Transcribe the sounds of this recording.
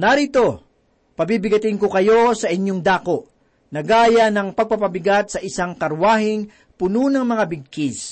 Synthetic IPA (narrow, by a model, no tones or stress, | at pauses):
nɐɾit̪o̞ | pɐbibɪɡɐt̪ɪŋkokɐjo̞sɐʔɪɲjo̞ŋd̪aːko̞ʔ | nɐɡaːjɐnɐŋpɐɡ̚pɐpɐbɪɡat̪̚sɐʔɪsaŋkɐɾwaːhɪŋ | pʊnunɐŋmɐŋabɪɡ̚kis